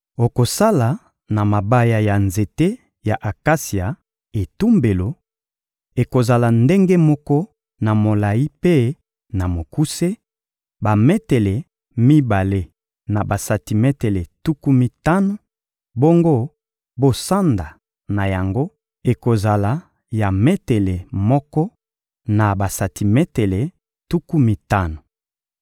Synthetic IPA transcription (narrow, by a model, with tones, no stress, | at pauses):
o˨ko˨sa˦la˨ | na˨ma˨ba˦ja˨ja˨nze˨te˦ | ja˨ʔa˨ka˦si˨a˨ | e˨tu˦mbe˨lo˨ | e˨ko˨za˨la˨nde˦ŋɡe˦mɔ˦kɔ˦ | na˨mo˨la˨i˦pe˦ | na˨mo˨ku˦se˦ | ba˨mɛ˦te˨lɛ˨ | mi˦ba˨le˦ | na˨ba˨sa˨ti˨me˦te˨le˨tu˦ku˦mi˦ta˦no˨ | bo˦ŋɡo˦ | bo˦sa˦nda˨ | na˨ja˨ŋɡo˦ | e˨ko˨za˨la˨ | ja˨me˦te˨le˨mɔ˦kɔ˦ | na˨ba˨sa˨ti˨me˦te˨le˨ | tu˦ku˦mi˦ta˦no˨